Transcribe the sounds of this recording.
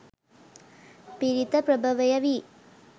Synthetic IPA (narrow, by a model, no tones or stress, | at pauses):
piɾit̪ɐpɾɐbʱɐʋɐjɐʋi